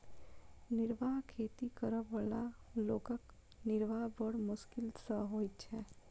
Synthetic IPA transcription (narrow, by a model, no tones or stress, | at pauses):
nɪɾʋaɦkʰeːt̪ikəɾəbalaloːkək | nɪɾʋaɦbəɽmʊʃkɪlsəɦoːjt͡ʃʰɛː